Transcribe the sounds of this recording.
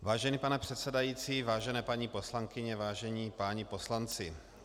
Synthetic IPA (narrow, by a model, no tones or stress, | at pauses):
vaːʒɛnipanɛpr̥ɛt̪sɛdajiːt͡siːvaːʒɛnɛːpaɲiposlaŋkɪɲɛvaːʒɛɲiːpaːɲipo̞slant͡sɪ